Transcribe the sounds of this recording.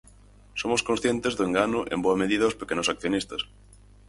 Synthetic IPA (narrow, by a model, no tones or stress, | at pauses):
somoskonsθjent̪ezðoeŋɡanʊʔḛmboɐmeð̞iðɐospekenosak̚θjonist̪ɐs